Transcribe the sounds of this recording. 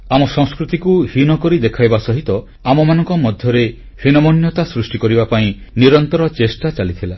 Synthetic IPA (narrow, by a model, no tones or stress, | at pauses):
amɔsɔŋ̃skɾut̪ikuhinɔkɔɾid̪ekʰajbasɔɦit̪ɔ | amɔmanɔŋkɔmɔd̪ʱjɔɾe | hinɔmɔnjɔt̪asɾusʈikɔɾibapaĩ | niɾɔnt̪ɔɾɔt͡ʃesʈat͡ʃalit̪ʰila